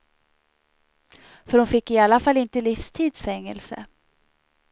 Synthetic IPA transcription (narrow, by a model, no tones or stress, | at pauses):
fœɾhʊnfɪkːɪalːafalːɪnt̪əlɪfst̪ʰiːd̪sfɛŋːɛ̰lsə̰